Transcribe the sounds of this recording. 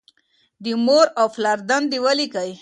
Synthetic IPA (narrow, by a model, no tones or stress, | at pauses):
d̪əmoɾawflaɾd̪and̪iwalikaj